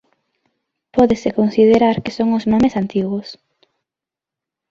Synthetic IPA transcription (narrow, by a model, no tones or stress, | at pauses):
pɔðesekonsiðeɾaɾkesoŋʊznomesant̪iɣʊs